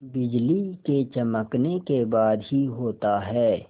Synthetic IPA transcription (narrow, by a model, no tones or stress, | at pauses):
bɪd͡ʒliket͡ʃɐməknekebaːd̪ɦiɦoːt̪aɦɛː